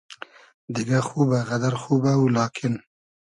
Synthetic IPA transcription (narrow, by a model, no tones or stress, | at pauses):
d̪ɪɡaxuːbaɣad̪aɾxuːbawlɑːkʰɪn